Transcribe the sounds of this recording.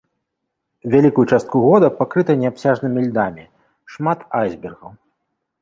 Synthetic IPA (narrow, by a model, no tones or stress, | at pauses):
vʲalʲikujut͡ʂast̪kuɣɔd̪ɐpakɾɨt̪ɐnʲɛapsʲaʐnɨmʲilʲd̪amʲi | ʂmat̪ajzʲbʲɛrɣɐw